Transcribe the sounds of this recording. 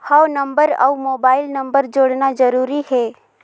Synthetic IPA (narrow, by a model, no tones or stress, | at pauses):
hanɐ̃mbəɾɐ̰moːbaːɪlnɐ̃mbəɾd͡ʒoːɽnad͡ʒɐɾuːɾihɛː